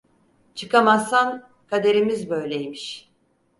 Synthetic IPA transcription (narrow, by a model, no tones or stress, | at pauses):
t͡ʃʰɯkamasan | kʰad̪e̞ɾimizbø̞jlʲejmiʃ